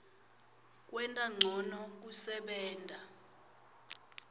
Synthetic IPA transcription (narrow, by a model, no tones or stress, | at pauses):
k̬ʼwɛntʼaŋ͡ǀʱɔnɔk̬usɛɓɛːntʼa